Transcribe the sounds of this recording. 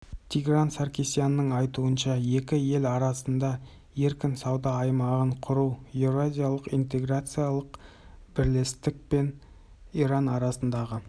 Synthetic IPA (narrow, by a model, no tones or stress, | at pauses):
t̪ʲʰiɡransarkʲisijanːəɴɑjt̪uənʃɑje̞kʲɪje̞lɑɾɑsənd̪ɑ | je̞ɾkʲɪnsɑwd̪ɑːjmɑʁəɴqʰʊɾuwjevɾoazʲijalˠəqijnt̪e̞ɡrat̪sɨjalˠəq | bɪɾlest̪ɪk̚pe̞n | iɾɑnɑɾɑsənd̪ɑʁə